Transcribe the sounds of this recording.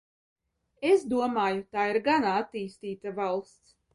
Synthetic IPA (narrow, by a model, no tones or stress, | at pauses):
esd̪uɔmaːjut̪aːiɾɡanaat̪iːst̪iːt̪avalˠst̪s